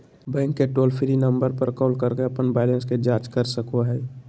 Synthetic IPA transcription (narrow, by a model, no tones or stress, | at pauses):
bɛ̃ːŋkːeʈoːlpʰiɾinəmbəɾpəɾkɔːlkəɾkeəpənbaɪlənsked͡ʒaːt͡ʃkəɾsəkoɦɛ